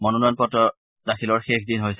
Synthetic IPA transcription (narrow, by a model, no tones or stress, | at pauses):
mɔnɔnanpɔtɔ | daxʰilɔɹxexdinɦojs